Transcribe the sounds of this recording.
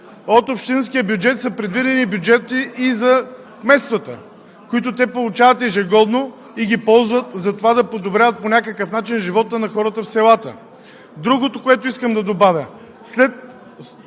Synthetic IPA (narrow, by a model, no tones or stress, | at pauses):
ot̪opʃt̪inskijəbjud͡ʒɛt̪səpɾɛd̪vid̪ɛnibjud͡ʒɛt̪iʔizɐ | kmɛst̪vət̪ə̰ | koit̪ot̪ɛpolˠʊt͡ʃavət̪ɛʒɛɡɔd̪no | iɡʲipɔlˠzvət̪zɐt̪ovad̪ɐpod̪obɾʲavət̪̚ponʲakəkəfnat͡ʃinʒivɔt̪ənɐxɔɾət̪əfsɛlˠat̪ə̰ | d̪ɾuɡot̪okoɛt̪oiskəmd̪ɐd̪obavʲjə | slɛt̪̚